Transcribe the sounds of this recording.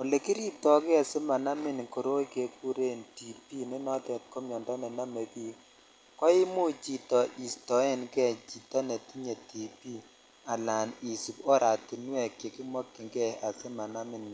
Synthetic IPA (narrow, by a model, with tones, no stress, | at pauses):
o˨le˨ki˦ɾi˦p̚tɔ˦kɛ˦a˨se˦ma˨na˦mɪ˦n˨ko˨ɾo˦i˦ke˨˦ku˦ɾe˦nti˨pi˦ni˦nɔ˦tɛ˨t̚ko˦mjɔ˨ndɔ˦nɛ˨na˦me˨ki˦ | kɔ˦i˦mu˦t͡ʃi˨tɔ˨ʔi˨stɔ˨˦e˦nkɛ˦˨t͡ʃi˨tɔ˦ne˨ti˦ɲe˨ti˨pi˦ | a˨la˨ni˨su˨kɔ˦ɾa˨ti˨nwɛ˨kje˨ki˦mɔ˦kːi˨ŋɡɛ˦˨a˨se˦ma˨na˦mɪ˦n˨